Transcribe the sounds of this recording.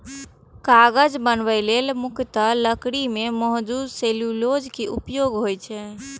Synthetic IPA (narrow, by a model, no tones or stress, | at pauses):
kaɡəd͡ʒbənbəɪlelmukt̪ələkɽimeməɦd̪udselulod͡ʒkiʔupjoɡɦojt͡ʃʰɛ